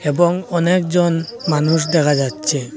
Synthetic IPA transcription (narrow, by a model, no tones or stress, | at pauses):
ɛbɔŋɔnɛk̚zɔnmanus̬dɛkʰazatsʰɛ